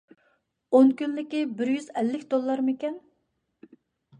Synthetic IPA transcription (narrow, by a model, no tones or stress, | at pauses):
onkʲynlɪkʲibɪɾjyzɛlːɪkʲd̪olˠːɑɾmɪkʲɛn